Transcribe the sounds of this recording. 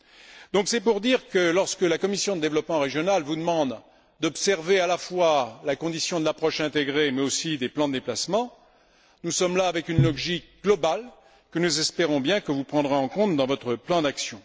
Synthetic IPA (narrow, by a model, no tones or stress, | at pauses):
d̪ɔ̃ksɛpuʁd̪iʁkəlɔʁskəlakɔmisjɔ̃d̪əd̪evlɔpmɑ̃ʁeʒjɔnalvud̪əmɑ̃d̪ | d̪ɔpsɛʁvealafwalakɔ̃d̪isjɔ̃d̪əlapχɔʃɛ̃t̪eɡʁemɛosid̪eplɑ̃d̪əd̪eplasmɑ̃ | nusɔmlaːvɛkynlɔɡʒikɡ̥lɔbal | kənuzɛspeʁɔ̃bjɛ̃kəvupχɑ̃d̪ʁeɑ̃kɔ̃t̪d̪ɑ̃vɔt̪χəplɑ̃d̪aksjɔ̃